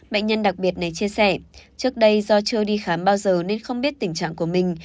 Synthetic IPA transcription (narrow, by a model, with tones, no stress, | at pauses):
ɓə̰˧˨jŋ̟ɲə˧nɗa˨˩k̚ɓi˨˩ət̚na˨˩jt͡ɕi˧əsɛ˧˩t͡ɕɨ˦˥ək̚ɗə˧jzɔ˧t͡ɕɨ˧ɗi˧xaː˨˦mɓaː˧wzəː˨˩ne˧nxə˧wŋ͡mɓi˦˥ət̚t̪ï˧˩ŋ̟t͡ɕa̰ː˧˨ŋku˧˩əmï˨˩ŋ̟